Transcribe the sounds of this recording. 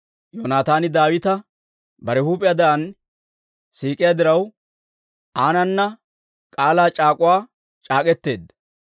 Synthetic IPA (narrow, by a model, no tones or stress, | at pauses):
joːnaːt̪aːnɪd̪aːwɪt̪ɐ | bɐɾɛhuːpʼːɪjad̪ɐʔɐn | siːkʼɪjad̪ɪɾɐw | ʔaːnɐnːɐ | kʼaːlaːt͡ʃʼaːkʼʊwaː | t͡ʃʼaːkʼɛt̪ːe̞ːd̪ɐ